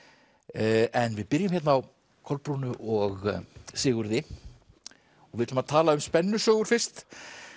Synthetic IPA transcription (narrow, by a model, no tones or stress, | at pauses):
ɛnvɪðpɪɾjɪmhçɛt̪naaw | kʰɔlpɾunʏʔɔɣsɪːɣʏɾðɪ | ɔɣvɪðɪt̪ʏmaðt̪ʰaːlaʏmspɛnːʏsœːɣʏɾ̥fɪr̥st̪